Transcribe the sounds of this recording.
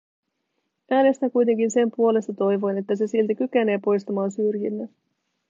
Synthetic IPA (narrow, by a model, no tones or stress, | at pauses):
æːnest̪ækujt̪e̞ŋkinse̞mpuo̞le̞st̪ɑt̪o̞jʋo̞jne̞t̪ːæse̞silt̪ækyk̟e̞ne̞ːpo̞jst̪ɑmɑːnsyrjinːæ